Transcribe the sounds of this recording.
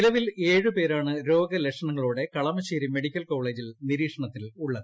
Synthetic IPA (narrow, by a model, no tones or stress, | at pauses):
nilɐʋile̞ːɻɨpe̞ːɾaːɳɨɾo̞ːɡɐlekʂɐɳɐŋːɐɭuːɽe̞kɐɭɐmɐɕiːɾimeɽikʲːɐlko̞ːɭe̞ːd͡ʑilniɾiːkʂɐɳɐt̪ːiluɭːɐɨ